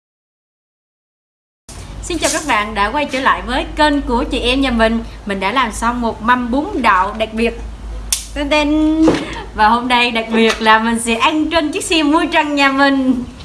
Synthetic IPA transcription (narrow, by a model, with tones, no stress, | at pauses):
si˧nt͡ɕaː˨˩wkaː˦˥k̚ɓa̰ː˧˨nɗa̰ː˧˥kwa˧jt͡ɕə̰ː˧˩la̰ː˧˨jvəː˨˦jkəː˧nku˧˩ət͡ɕḭ˧˨ʔɛ˧mɲaː˨˩mï˨˩ŋ̟mï˨˩ŋ̟ɗa̰ː˧˥laː˨˩msa˧wmo˨˩t̚ma˧mɓu˨˦əŋɗa̰ː˧˨wɗa˨˩k̚ɓi˨˩ət̚ː | t̪e˧n | vaː˨˩ho˧mɗə˧jɗa˨˩k̚ɓi˨˩ət̚laː˨˩mï˨˩ŋ̟sɛ̰˧˥ʔa˧jŋ̟t͡ɕə˧nt͡ɕɨ˦˥k̚si˧əmːu˧jt͡ɕə˨˧˩ŋɲaː˨˩mï˨˩ŋ̟